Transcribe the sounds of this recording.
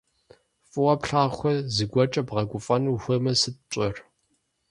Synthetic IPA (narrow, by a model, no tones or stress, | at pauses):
fʼɨwɐpɬaːxʷɔzɨɡʷɔt͡ʃʼɐbʁɐɡʷʼʊfʼɐnuxʷɐmɐsɨt̚t͡ʃʷʼɔr